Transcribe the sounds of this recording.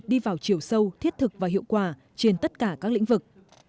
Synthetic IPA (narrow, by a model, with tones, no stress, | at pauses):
ɗi˧vaː˨˩wt͡ɕi˨˧˩əwsə˧wt̪ʰi˦˥t̚t̪ʰɨ˨˩k̚vaː˨˩ɦḭ˧˨əwkwaː˧˩ | t͡ɕe˧nt̪ə˦˥t̚kaː˧˩kaː˦˥k̚lḭ˧˥ŋ̟vɨ˨˩k̚